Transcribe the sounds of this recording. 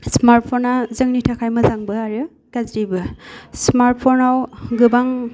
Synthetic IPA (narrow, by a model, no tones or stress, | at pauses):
smaɾt̚pʰonazɯŋnitʰakʰajmɯzaŋbɯaɾɯ | kazɾibɯsmaɾt̚pʰonawɡɯbaŋ